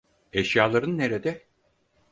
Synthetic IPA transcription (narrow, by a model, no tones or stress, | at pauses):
eʃjaːlˠaɾɯnːeɾed̪ɛ